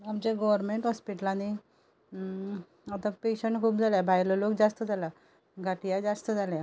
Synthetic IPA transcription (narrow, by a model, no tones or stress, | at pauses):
amt͡ɕeɡɔʋəɾmeɳʈɦɔspiʈlãni | at̪apeɕəɳʈkʰuːp̚d͡zʱaljabʱajləlokd͡zast̪əd͡zʱala | ɡʱaʈijad͡zast̪əd͡zʱalja